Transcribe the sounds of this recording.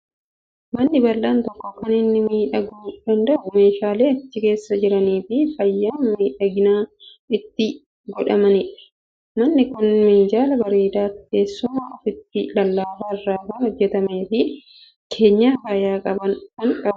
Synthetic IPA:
mɐnːɪbɐlːaːnt̪ɔkːɔkːɐnɪnːɪmiːᶑɐɡuːd̪̥ɐnd̪ɐʔʊme̞ːʃaːle̞ːɐt͡ʃːɪke̞ːsːɐd͡ʒɪɾɐniːfɪfɐjːaːnmiːᶑɐɡɪnaː | ɪt̪ːɪ | ɡɔᶑɐmɐnɪᶑɐ̥ | mɐnːɪkʊnmɪnd͡ʒaːlɐbɐɾeːd̪aːt̪ke̞ːsːʊmaːʔɐfɪt̪ːɪlɐlːaːfaːɪrːaːfɐnhɔd͡ʒːɛt̪ɐmeːfɪ | kʰe̞ːɲːaːfajaːkʼɐbɐnkɐŋkʼɐbɐ

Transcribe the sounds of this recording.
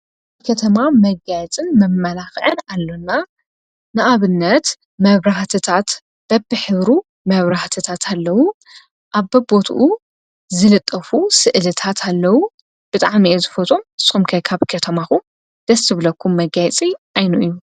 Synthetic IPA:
ʔaβkʰɐt̪ʰɐmamɐɡajɛt͡sʼɨnmɐmːɐlaxʕɨnalːonːa | nɨʔaβɨnːɐt̪ | mɐβɾaht̪ʰɨt̪ʰat̪ | b̥ɐbɨħɨβɾu | mɐβɾaht̪ʰɨt̪ʰat̪ʰalːɐwu | ʔaβːɐbo̞t̪ʰʔu | zɨlɨt̪ʼːɐfusɨʔlɨt̪ʰat̪ʰalːɐwu | b̥ɨt̪ʼaʕmiezɨfot̪ʼomɨ̥sxumkʰɐjkʰaβkʰɐt̪ʰɐmaxum | d̪̥ɐsːɨβlɐkʰːumːɐɡajɛt͡sʼiʔajnuʔɨjːu

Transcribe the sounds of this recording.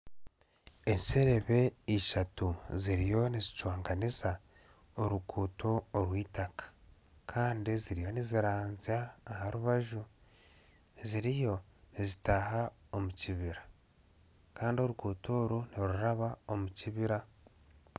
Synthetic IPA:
e̞nseɾe̞βe̞iʃatuziɾijo̞nizicwaːŋɡaniza | oɾukuːtʰo̞ːɾwiːtakḁ | kʰaːndiziɾijo̞niziɾaːnzaːhaɾuβaʒu | ziɾijo̞nizitahao̞muciβiɾa | kaːndio̞ɾukuːtʰo̞ːɾuniɾuɾaβao̞muciβiɾa

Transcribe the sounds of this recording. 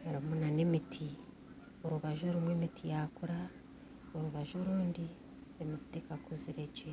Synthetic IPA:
eɾimunane̞mitʰi | oɾuβaʒoɾimwemitʰijakuɾa | oɾuβaʒoɾuːndi | imitekakuziɾe̞ɟe

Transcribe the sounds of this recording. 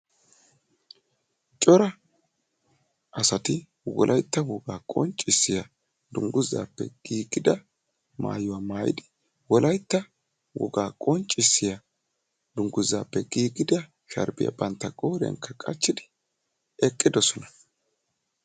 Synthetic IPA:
t͡ʃʼɔɾɐ | ʔɐsɐt̪ɪ | wɔ̰lʔɐjt̪ːɐwɔɡaːkʼɔ̰nt͡ʃʼːɪsːɪjɐ | d̪ʊŋɡʊzːa̰ːpːɛ̰ɡ̥iːɡɪd̪ɐ | ma̰ːjʊwaːmaːjɪ̰d̪ɪ | wɔlɐjt̪ːɐ | wʔɔ̰ɡaːkʼɔnt͡ʃʼɪsːɪjɐ | d̪̥ʊŋɡʊzːaːpːɛɡiːɡɪd̪ɐ | ʃɐ̰ɾbɪjɐ̰bɐnt̪ːɐkʼoːɾɛ̰ŋkːɐkʼɐ̰t͡ʃːɪd̪ɪ̥ | ɛkʼːɪd̪ɔsɔnɐ̥

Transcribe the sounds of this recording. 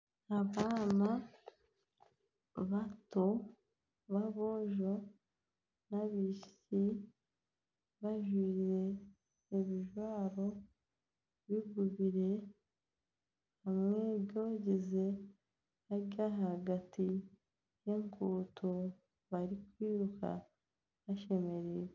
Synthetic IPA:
aβaːna | βato | βaβo̞ʒo̞ | naβiʃ | i | βaʒwiɾe̞ː | βiʒwaːɾo̞ | βiɡuβiɾe̞ | hamŋe̞βɟo̞ːɟeze | aɾɟaɦaɡati | jeŋkutʰo | βaɾikwiːɾukʰa̰ | βaʃe̞me̞ɾiɾe

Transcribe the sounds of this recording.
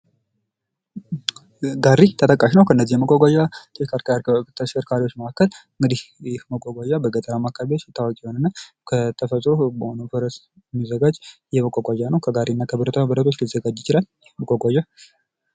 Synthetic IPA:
ɡaɾit̪ʰət̪ʼəkʼaʃnəwkʰəɨnːəzːihɛməkʷʼaɡʷaʒat̪ʰəʃkɾt̪ʰəʃkəɾkʰaɾiwot͡ʃːməkakːəlɨŋɡɨd̪ihjɪhməkʼːaɡʷaʒabəɡət̪ʼəɾamakːaβewot͡ʃːɛt̪ʰːawɔkʼjɛho̞nɨnːa | kʰət̪ʰəfət̪ʼɾobəhonəfəɾəs | mːəzːəɡad͡ʒjɛməkʼaɡʷaʒanəwkʰəɡaɾinːakʰəbəɾət̪ʰabəɾət̪ʰo̞t͡ʃːlizəɡad͡ʒjɪt͡ʃɪlal | məkʼɔɡʷaʒa

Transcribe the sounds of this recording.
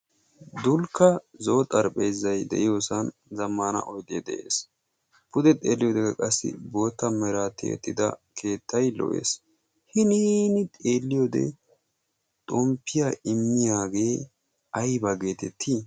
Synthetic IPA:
d̪ʊlkːɐzo̞ːt̪ʼɐɾpʼɛːzːɐjd̪ɛ̰ʔɪjoːsɐnzɐmːɐnɐ̰ʔɔjd̪ed̪ɛʔḛːs | pʊd̪ɛt̪ʼeːlːɪjod̪ɛɡɐkʼɐsːɪ̰bo̞ːt̪ːɐmɛɾat̪ḛːt̪ːɪd̪ɐ̰kʰe̞ːt̪ʰːɐjlɔ̰ʔḛːs | hɪniːnɪt̪ʼe̞ːlːɪjoːd̪ɛ̰ | t̪ʼɔmpːɪjaɪmːɪjaːɡe̞ː | ɐjbɐɡe̞ːt̪ɛt̪ʰːi

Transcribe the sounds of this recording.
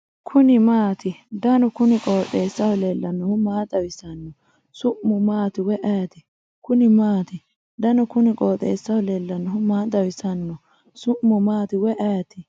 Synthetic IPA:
kʰʊnɪmaːt̪ɪd̪ɐnɔkʊnɪkʼoːt̪ʼːeːsːɐwɔleːlːɐnːɔhʊmaːd̪ɐwɪsɐnːɔ | sʊʔmʊmaːt̪ɪwɛʔɐjt̪ɪ | kʊnɪmaːt̪ɪ | d̪ɐnɔkʊnɪkʼoːt̪ʼːḛːsːɐwʊleːlːɐnːɔɦʊmaːd̪ɐwɪsɐnːɔ | sʊʔmːʊmaːt̪ɪwɛʔɛjt̪ɪ

